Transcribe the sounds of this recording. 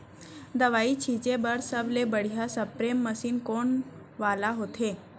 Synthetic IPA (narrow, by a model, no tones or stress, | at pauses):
d̪əʋait͡ɕʰit͡ɕebəɾsəblebəɽ̤ijasəpɾemːəsiːnkoɳ | ʋalaɦot̪ʰe